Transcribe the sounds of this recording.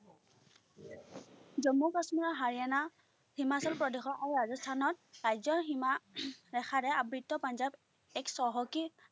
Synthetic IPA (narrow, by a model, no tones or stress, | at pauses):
zɔmːɔkɔsmiɹɔɦaɹijana | himasɔlpɹɔdexɔʔaɹɹazɔstʰanɔt̚ɹajzɔɦimaɹɛxʰaɾɛabɹitːɔpanzab | ɛksɔɦɔki